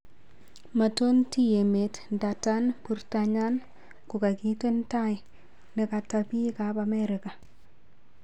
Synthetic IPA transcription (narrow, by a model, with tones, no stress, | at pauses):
ma˨to˦nti˦je˨me˨tnda˨ta˦nkuɾtaɲa˦n | kʊ˨ka˨ki˦te˦ntaɪ | nɛ˨ka˨tapi˦kapamɛɾɪ˨ka˨